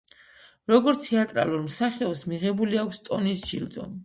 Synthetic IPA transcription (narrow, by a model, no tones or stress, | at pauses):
ɾɔɡɔɾt̪t̪ʰɛat̪ʼɾa̰luɾmsaχɛɔsmiʁɛbuliakʷʰst̪ʼɔnisʒild̪ɔ̰m